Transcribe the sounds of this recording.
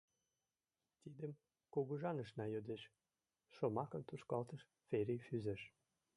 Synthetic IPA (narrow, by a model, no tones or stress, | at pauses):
t̪id̪ə̆m | koɣɤʒɑnə̆ʃnɑjød̪ĕʃ | ʃomɑkɤ̆nt̪uʃkɑlt̪ə̆ʃ | feɾʲifyzɘ̆ʃ